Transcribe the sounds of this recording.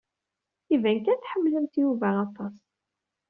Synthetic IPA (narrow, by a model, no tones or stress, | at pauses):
ivænkænθħəmːləmt̪juvæɑt̪ˤːɑs